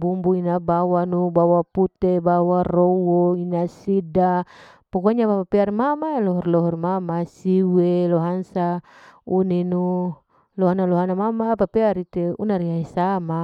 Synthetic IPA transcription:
bumbuinabawanubawaput̪ebawarowɔinasida | pɔkuaɲapapapiarmamalɔɦɔrlɔɦɔrmamasiwelɔɦansa | uninu | lɔɦanalɔɦanamamapapɛaɾit̪eṵnaɾiaisama

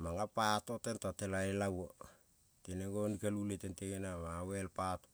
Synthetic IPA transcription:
maŋapatotentatelaelawo | teneɡonikaluletenteɡenamawelpato

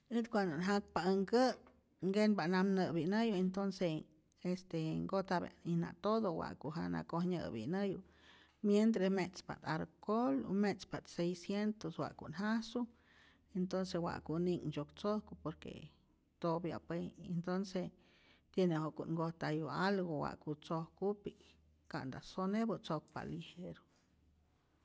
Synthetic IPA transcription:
it̪kʷand̪onɦak̚paəŋkə | ŋɡenbaʔnamnɨbinɨjuent̪onse | est̪eŋɡoht̪abḛnina̰t̪oðowa̰ʔkuʔɦana̰kohɲə̰bḭnəjṵ | mjent̪ɾesmet͡spa̰t̪aɾkolṵmespat̪sejsjent̪oswa̰ʔkuʔnɦasu | ent̪onsewa̰ʔkuniŋd͡ʒokt͡sohkupoɾkḛ | t̪obja̰peent̪onse | t̪jenehokuʔŋɡoht̪ajualɡowa̰ʔkut͡sohkupi | kaʔnd̪asonebut͡sok̚pa̰liheɾo

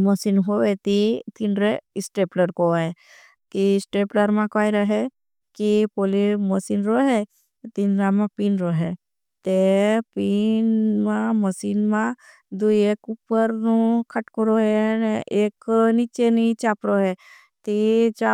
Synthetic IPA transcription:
məsinɦoʋet̪it̪inɾeɪsʈeːpləɾkoɦe | kisʈeːpləɾmãkajɾəɦe | kipoliməsinɾoɦe | t̪inɾamãpinɾoɦe | t̪epinmãməsinmã | d̪uekupːəɾnukʰəʈkɔɾoɦeneːknit͡ʃenit͡ʃaːpɾoɦe | t̪it͡ʃa

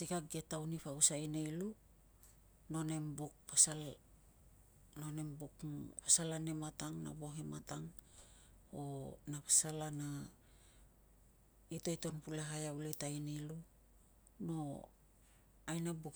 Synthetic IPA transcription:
sikaɡetawnipausajnejlu | no̞ne̞mbuk̚pasal | no̞ne̞mbukpasalane̞mataŋna̰bo̞ɦe̞mataŋ | onapasalana | ito̞jto̞npuleɦajauletajnelu | no̞ | ajnabuk

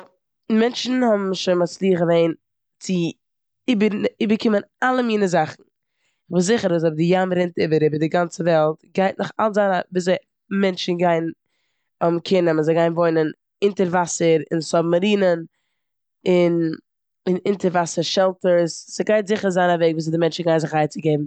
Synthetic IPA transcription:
ɪnmɛnt͡ʃn̩hɔbm̩ʃoɪnmat͡slˠiːəχəveɪn | t͡sɪ | ibəibəɾkʰɪmənalˠəmiːnəzaχn̩ | χvuszɪχəɾʊs̬ɔb̚dɪjamɾɪntɪbəɾɪbəɾdɪɡant͡səvɛlˠtɡaɪtnʊχa̰lˠzaɪnabiːszeɪ | mɛnt͡ʃn̩ɡaɪn | ɔbmkʰɪnəmɪnzeɪɡaɪnvoɪnən | ɪntəɾvasəɾɪnsɔbməɾiːnən | ɪn | ɪnɪntəɾvasəɾʃɛlˠtəɾssəɡaɪtzɪχəɾzaɪnaveɪɡviːs̬ɪdɪmɛnt͡ʃn̩ɡaɪ̃nzɪχaɪt͡sɪɡeɪbm̩

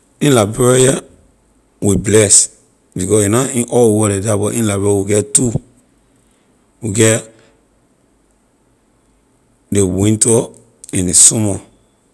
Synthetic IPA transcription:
ĩnlabajɛ | wiblɛs | bikɔsinaĩʔɔwɔdedabɔʔĩnlabɛawiɡɛtu | wiɡɛt | dewĩntɔ | ɛ̃ndesɔmɔ

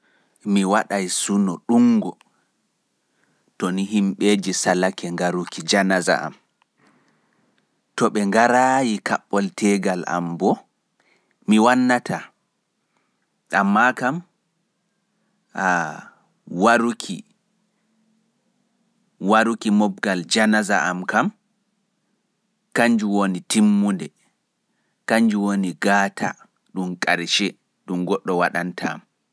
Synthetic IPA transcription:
miwaɗajsunɔɗuŋɡɔ | tɔniɦimɓed͡ʒisalakɛŋɡaɾukid͡ʒanaza̰ʔa̰m | tɔɓɛŋɡaɾajika̰ɓːɔltʰɛɡala̰mbɔ | miwanːatʰa | amːakam | a | waɾukʰi | waɾukimɔb̚ɡald͡ʒanazaʔamkam | kaɲd͡ʒuwonitimːundɛ | kaɲd͡ʒuwoniɡatʰa̰ | ɗumkʼaɾʃɛ | ɗumɡɔɗːɔwaɗantʰa̰m

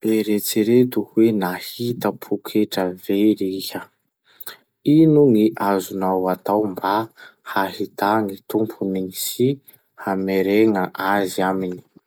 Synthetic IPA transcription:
eɾet͡siɾet̪uhwenahit̪əpʰukʰeʈ͡ʂəveɾihə | inuŋiʔazunawat̪awmbahahit̪aŋit̪umpʰunisi | hameɾeŋəʔaziamini̥

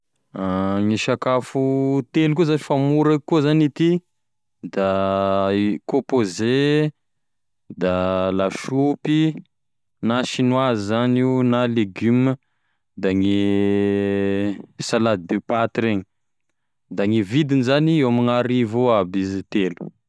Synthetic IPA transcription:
aŋiʃakafut̪eluk̬uzanifamuɾekːuzanit̪i | d̪a | kõpoze | d̪alaʃupi | naʃinwazizaninaleɡymə | d̪aŋi | salad̪d̪epat̪ɾeɲi̥ | d̪aŋivid̪inizaniewamiŋaɾivoabizit̪elu̥

